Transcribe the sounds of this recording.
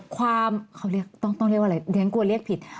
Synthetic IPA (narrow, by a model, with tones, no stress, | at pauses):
kʰwaː˧mkʰa˥˩wli˥˩ək̚t̪ɔ˥˩ŋt̪ɔ˥˩ŋɾi˥˩k̚wʔa˧˩jdɛː˨˦ŋku˧li˥˩ək̚pʰi˨˩t̪̚